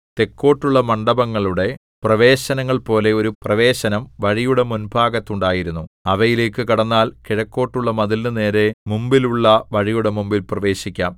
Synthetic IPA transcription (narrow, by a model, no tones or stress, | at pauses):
t̪e̞kːo̞ːʈːuɭːɐmɐɳɖɐbɐŋːɐɭuɽe̞ | prɐʋe̞ːɕɐnɐŋːɐɭpo̞ːle̞oɾuprɐʋe̞ːɕɐnɐmʋɐɻijuɽe̞munbʱaːɡɐt̪ːuɳɖaːjiɾunːuɐʋɐjile̞ːkːɨkɐɽɐnːaːlkiɻɐkːo̞ːʈːuɭːɐmɐðilnɨneːɾe̞mumbiluɭːɐʋɐɻijuɽe̞mumbilprɐʋe̞ːɕikʲːaːm